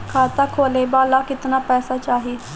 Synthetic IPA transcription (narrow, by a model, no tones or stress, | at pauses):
kʰaːt̪aːkʰoːleːbaːlaːkɪt̪naːpɛːsaːt͡ʃaːɦiː